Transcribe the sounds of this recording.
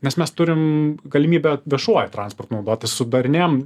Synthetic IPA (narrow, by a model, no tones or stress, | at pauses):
nʲɛsmʲɛst̪ʊɾʲɪmɡɐlʲɪmʲiːbʲɛʋʲiɛʃuɔjɛt̪ɾɑːnspɔrt̪nɐʊd̪oːt̪ʲɪssʊd̪ɐɾʲɪnʲem